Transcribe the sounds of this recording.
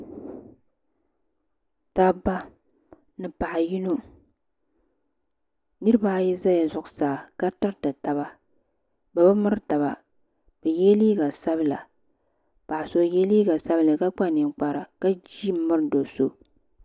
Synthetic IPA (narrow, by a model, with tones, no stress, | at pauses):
ta˦ba˦ | nɨ˨pa˨ʔa˨ji˦no˦ | nɨ˦ɾɨ˦ba˦jɛ˦za˦ja˨zʊ˨ʔʊ˨saː˨ka˦tɨ˦ɾtɨ˨ta˨ba˦ | ba˨bɨ˦mɨ˦ɾɨ˦ta˨βa˨ | b̥ɛ˨jɛ˦liː˦ɡa˨sa˦βɨ˦la̰˨ | pa˨ʔa˨so˦jɛ˦liː˦ɡa˨sa˦bɨ˦lɨ˨ka˦k͡pa˦˨nɪ˨ŋk͡pa˦ɾa˨ka˦d͡ʒi˦m˦mɨ˦ɾɨ˦do˨so˦